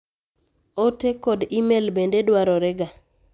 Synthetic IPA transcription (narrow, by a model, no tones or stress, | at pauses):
otekɔd̪imelbendedwaɾɔɾɛɡa